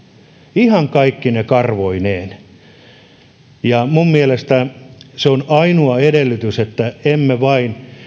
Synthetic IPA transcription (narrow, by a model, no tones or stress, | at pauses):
ihɑŋkɑikːinekɑrʋoineːn | jɑmumːielest̪æseonɑinuɑedelːyt̪yset̪ːæemːeʋɑin